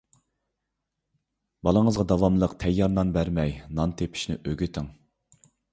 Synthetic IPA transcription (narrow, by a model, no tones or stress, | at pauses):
bɑlˠəŋəzʁɑd̪ɑwɑmlˠəqt̪ʰɛjːɑɾnɑnbæɾmɛjnɑnt̪ʰepʰi̥ʃnɪ̰ʔøɡʲyt̪ʰɪŋ